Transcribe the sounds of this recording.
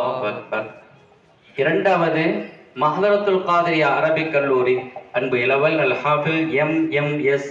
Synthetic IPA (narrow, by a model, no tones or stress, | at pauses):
ɐfɐkɐ | ɪɾɐɳɖaːʋɐðɯmɐɣðɐɾɐt̪ːɯlqaːðɐɾɪjaɐɾɐbɪkːɐɭːuːɾiɐnbɯɛlɐʋɐlɐlhaːfɪlɛmɛmɛs